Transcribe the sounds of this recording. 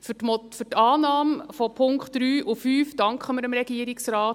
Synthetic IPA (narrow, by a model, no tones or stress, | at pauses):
fmɔfʏtɑːnɑːmfɔpʰʊŋkχtɾyːʔufyːfd̥ɑŋkχəməɾəmɾɛɡiːəɾɪksɾaːt